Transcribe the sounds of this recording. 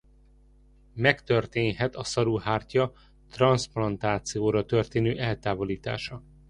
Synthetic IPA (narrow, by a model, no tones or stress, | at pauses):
mɛkt̪ørt̪eːnɦɛt̪ɒsɒɾuhaːrcɒ | t̪rɒnsplɒnt̪aːt̪sijoːɾɒt̪ørt̪eːnøːʔɛlt̪aːvo̞liːt̪a̰ːʃɒ